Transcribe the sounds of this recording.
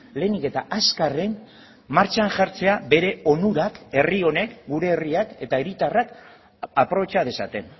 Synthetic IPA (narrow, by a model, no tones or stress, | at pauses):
le̞nike̞t̪aʔaskare̞n | maɾt͡ʃanʝaɾt͡se̞abe̞ɾe̞o̞nuɾake̞rio̞ne̞kɡuɾe̞ːriake̞t̪aeɾit̪arak | apɾo̞βe̞t͡ʃaðe̞sa̰t̪e̞n